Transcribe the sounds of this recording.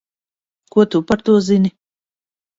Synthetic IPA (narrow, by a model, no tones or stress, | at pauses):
kot̪upɐɾt̪ozini